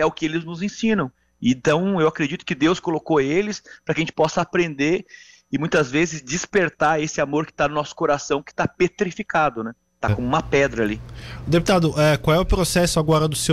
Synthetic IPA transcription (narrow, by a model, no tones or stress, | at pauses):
ɛʊkɪelɪznʊzẽsĩnɐ̃w̃ | ẽt̪ɐ̃w̃ewakɾed͡ʒit̪ʊ̥kɪd̪ewskolokoelɪspɾɐkɪɐʒẽnt͡ʃɪ̥pɔsɐapɾẽnd̪eɾ | ɪmũj̃t̪ɐzvezɪzd͡ʒispeɾt̪aɾesɪamoɾkɪ̥t̪anʊnɔsʊ̥koɾasɐ̃w̃kɪ̥t̪apet̪ɾifikad̪ʊnɛ | t̪akõũmɐpɛd̪ɾɐaliʊd̪epu̥t̪ad̪ʊʔɛkwawɛʊpɾosɛsʊaɡɔɾɐd̪ʊse